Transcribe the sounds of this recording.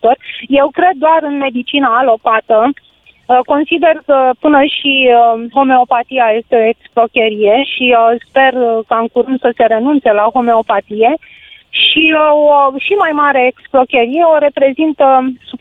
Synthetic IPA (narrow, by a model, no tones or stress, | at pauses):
t̪o̞rʲje̞wkɾe̞d̪̚ːoaɾɨnme̞d̪it͡ʃinaːlo̞pat̪ə | ko̞nsid̪e̞rkəpɨnəʃiɦo̞me̞o̞pat̪ijaje̞st̪e̞o̞eksplo̞kʲeɾije̞ʃispe̞rkaɨŋkuɾɨnd̪səse̞ɾe̞nunt̪se̞laɦo̞me̞o̞pat̪ije̞ | ʃioʃimajmaɾe̞ːksplo̞kʲeɾije̞oɾe̞pɾe̞zint̪əs